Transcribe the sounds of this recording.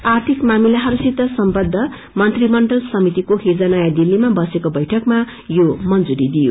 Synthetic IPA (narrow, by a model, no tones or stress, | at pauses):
art̪ʰikmamilaɦʌɾusit̪ːʌsʌmbʌd̪ʱːʌ | mʌnt̪rimʌɳɖʌlsʌmit̪ikohed͡zanʌjad̪ilːimabʌsekobʌjʈʰʌkma | jomʌnd͡zuɾid̪ijo̰